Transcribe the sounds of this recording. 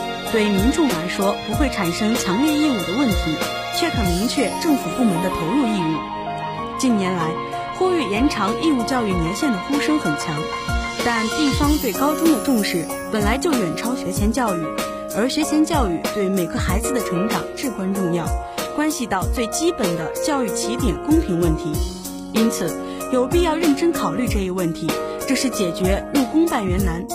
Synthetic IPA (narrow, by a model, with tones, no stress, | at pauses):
t̪we˥˩ɪmi˧˥ŋʈ͡ʂʊ˥˩ŋla˧˥ɪʂwɔ˥pu˧˥xwe˥˩ɪʈ͡ʂʰa˨˩nʂɤ˥ŋt͡ɕʰjɑ˧˥ŋljɛ˥˧i˥˧u˥˩d̪ə˩wə˥˩nt̪ʰi˧˥ | t͡ɕʰɥɛ˥˩kʰɤ˨˩mi˧˥ŋt͡ɕʰɥɛ˥˧ʈ͡ʂɤ˥˩ŋfu˨˩pu˥˩mə˧˥nd̪ə˧pʰe˧˥ɪlu˥˧i˥˧u˥˩ | t͡ɕi˥˩nnjɛ˧˥nla˧˥ɪ | xu˥˧y˥˩jɛ˧˥nʈ͡ʂʰɑ˧˥ŋi˥˧u˥˧t͡ɕjɑ˥˧ʊy˥˩mjɛ˧˥ʊɕjɛ˥˩nd̪ə˩xu˥ʂɤ˥ŋxə˨˩nt͡ɕʰjɑ˧˥ŋ | t̪a˥˧nt̪i˥˩fɑ˥ŋt͡swe˥˩ɪkɑ˥ʊʈ͡ʂʊ˥ŋd̪ə˨ʈ͡ʂʊ˥˧ŋʂɻ̩˥˩ | pə˨˩nla˧˥ɪt͡ɕjo˥˩ʊjɛ˨˩nʈ͡ʂʰɑ˥ʊɕɥɛ˧˥t͡ɕʰjɛ˧˥nt͡ɕjɑ˥˧ʊy˥˩ | ə˞˧˥ɕɥɛ˧˥t͡ɕʰjɛ˧˥nt͡ɕjɑ˥˧ʊy˥˩t̪we˥˩me˨˩ɪɡə˧˦xa˧˥ɪd͡zɹ̩˧d̪ə˩ʈ͡ʂʰɤ˧˥ŋʈ͡ʂɑ˨˩ŋʈ͡ʂɻ̩˥˩kwa˥nʈ͡ʂʊ˥˧ŋjɑ˥˩ʊ | kwa˥nɕi˧t̪ɑ˥˧ʊt͡swe˥˩ɪt͡ɕi˥pə˨˩nd̪ə˦t͡ɕjɑ˥˧ʊy˥˩t͡ɕʰi˧˥t̪jɛ˨˩nkʊ˥ŋpʰi˧˥ŋwə˥˩nt̪ʰi˧˥ | i˥nt͡sʰɹ̩˨˩˦ | jo˨˩ʊpi˥˧jɑ˥˧ʊɻə˥˩nʈ͡ʂə˥nkʰɑ˨˩ʊly˥˧ʈ͡ʂɤ˥˩i˧˥wə˥˩nt̪ʰi˧˥ | ʈ͡ʂɤ˥˧ʂɻ̩˥˩t͡ɕjɛ˨˩t͡ɕɥɛ˧˥ɻu˥˩kʊ˥ŋpa˥˩nɥɛ˧˥nna˧˥n